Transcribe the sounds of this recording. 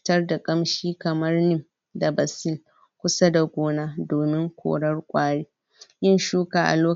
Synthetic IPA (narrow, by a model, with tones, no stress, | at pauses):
tɐ˦rda˨kʼɐ˦mʃiː˦kɐ˨mɐ˦rnɪ˦m | da˨bɐ˨sɪ˦l | kʷʊ˦sa˦da˨ɡʷoː˦naː˦doː˨mɪ˦ŋkʷʰo̰ː˨ɽɐ˦rkʷʼaː˦ɽeː˦ | jɪ˦nʃuː˦kaː˨ʔa̰˨loː˦